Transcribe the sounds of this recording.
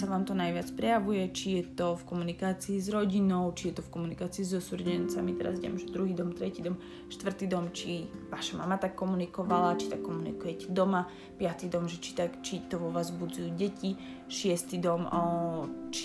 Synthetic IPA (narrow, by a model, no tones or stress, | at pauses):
saʋaːmt̪ɔnajʋɪat͡spɾɛjaʋujɛt͡ʃijɛt̪ɔfkɔmunikaːt͡siːzɾɔɟinɔʊt͡ʃijɛt̪ɔfkɔmunikaːt͡siːzɔsuɾɟɛnt͡samit̪ɛɾa̰zɟɛɛ̰mʒɛd̪ɾuɦiːd̪ɔmt̪ɾɛciːd̪ɔm | ʃt̪ʋr̩t̪id̪ɔmt͡ʃiʋaːʃama̰mat̪akːɔmunikɔʋalat͡ʃi̥t̪akːɔmunḭkujɛcɛd̪ɔma | pɪat̪id̪ɔmʒɛt͡ʃi̥t̪akt͡ʃit̪ɔʋɔʋazbud͡zujuːɟɛci | ʃɪɛst̪id̪ɔm | t͡ʃi